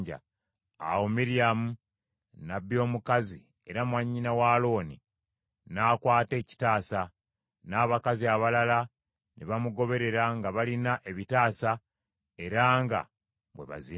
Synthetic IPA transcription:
ɟa̰ | a̰womiɾiamu | naβjo̞ːmukazi | e̞ɾamwaɲːinawaːlo̞ːni | naːkwaːte̞ːci̥taːsa | naːβakaziaβalala | nʔeβamuɡo̞βe̞ɾe̞ɾaŋɡaβalinaʔe̞βitaːsa | e̞ɾaŋɡa̰ | βwe̞̰βa̰zi

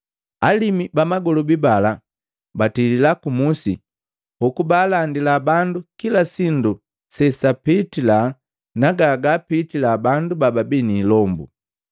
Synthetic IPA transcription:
alimibamaɡɔlɔbibala | batililakumusḭ | hukubaːlandilabandukilasindu | sɛsapitila | naɡaɡapitilabandubababiniːlɔmbṵ

